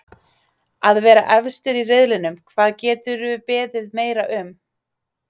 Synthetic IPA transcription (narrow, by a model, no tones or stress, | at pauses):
aðvɛːɾa̰ʔɛvst̪ʏɾirɪðlɪnʏmkʰvaːðcɛːt̪ʏɾpɛːðɪðmeːjɾaʔʏm